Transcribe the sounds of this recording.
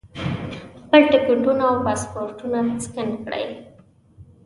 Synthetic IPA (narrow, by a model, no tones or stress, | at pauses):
xpəlʈɪkɪɳɖunaːwpaspoɾʈunaskɪnkɽə̰j